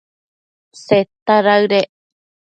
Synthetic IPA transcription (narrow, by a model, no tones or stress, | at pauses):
set̪aɾaɨɾe